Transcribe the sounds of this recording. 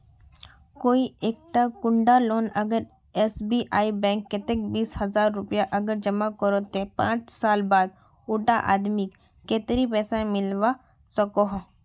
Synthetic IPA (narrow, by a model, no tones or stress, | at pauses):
koːieːk̚ʈakʊ̃ɳɖaloːnɐɡəɾ | ɛːsbiʔaːibɛ̃ːŋkːet̪ek̚biːshɐzaːɾːʊpjaʔɐɡəɾd͡ʒɐmakəɾoːt̪ẽpã̰ːt͡ʃsaːlbaːd̪̚ | ʊʈaʔa̰ːd̪mikː | eːt̪ɾipɛːsãmɪlʋa | sɐkoɦ